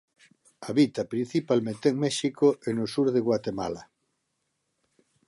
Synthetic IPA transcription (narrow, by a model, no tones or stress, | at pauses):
aβit̪ɐpɾin̟θipalmẽnt̪eŋmɛʃikoʔenosuɾðeɣwat̪ema̰la